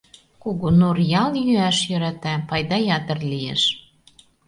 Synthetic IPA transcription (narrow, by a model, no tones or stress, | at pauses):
koɣonorjɑljyæʃjø̆ɾæt̪æpɑjd̪ɑjɑt̪ə̆rliḛʃ